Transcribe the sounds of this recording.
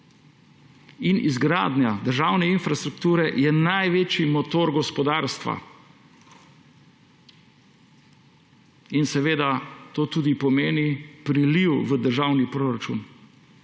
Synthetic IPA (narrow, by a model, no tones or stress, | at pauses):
inḭzɡɾaːd̪njad̪əɾʒaːwnɛinfɾast̪ɾukt̪uːɾɛjɛnajʋeːt͡ʃimɔt̪oːɾɡɔspɔd̪aːɾst̪ʋa̰ | insɛʋeːd̪at̪oːt̪uːd̪ipɔmeːnipɾiliwʋəd̪əɾʒawnipɾoɾat͡ʃṵn